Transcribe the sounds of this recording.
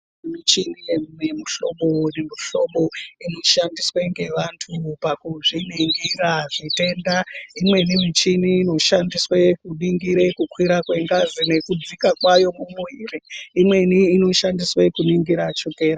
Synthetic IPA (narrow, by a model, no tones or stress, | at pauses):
mit͡ʃinijenemuɬoɓo̞nemuɬo̞ɓo̞ino̞ʃandisweŋɡe̞ʋantʰupakuʐiniŋɡiɾaʐite̞ndaimwe̞nimit͡ʃiniːno̞ʃandiswekuɗiŋɡiɾekukwiɾakwe̞ŋɡazine̞kud͡zikakwajo̞mumuiriimwe̞niːno̞ʃandiswekuniŋɡiɾat͡ʃuke̞ːɾa